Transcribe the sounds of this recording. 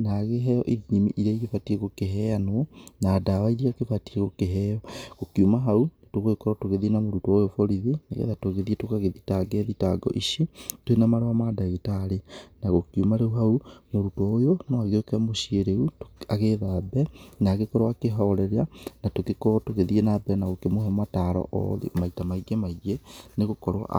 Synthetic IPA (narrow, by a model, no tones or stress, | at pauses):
naɣeɦɛjɔʔiðiimḭʔiɾaiɣefatieɣokeɦɛanwɔnaːdawaiɾiakefatieɣokeɦɛjɔɣokiumaɦaunetoɣoekɔɾɔtoɣeðinamoɾutɔojofɔɾiðinaɣḛðatoɣeðietokaɣeðitaɡɛðitaɡɔ̰ʔiʃitwenamaɾoamadaɣitaɾenaɣokiumaɾeuɦaumoɾutwɔojonɔaɣeokeamoʃieɾeutoaɣeðabɛnaɣekɔɾwakeɦɔɾɛɾeanatokekɔtoɣeðienabɛnaɣokemohɛɔmataɾɔ̰ʔɔ̰ðḛmaitamaiɡemaiɡeneɣokɔɾwa̰